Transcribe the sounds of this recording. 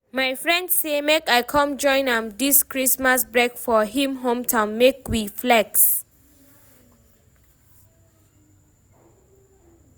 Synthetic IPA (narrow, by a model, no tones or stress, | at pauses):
majfɹɛ̃ndssemekajkʰɔ̃md͡ʒɔ̃ɪ̃nãmdiskɹismasbɹɛkfɔɦĩmɦõmtʰãnmekwiflɛks